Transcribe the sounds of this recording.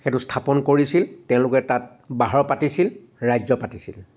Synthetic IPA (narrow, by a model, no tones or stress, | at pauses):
xɛtustʰapɔnkoɹisiltɛ̃ʊ̃lʊkɛtat̚ | baɦɔɹpatisil | ɹajzɔpatisḭl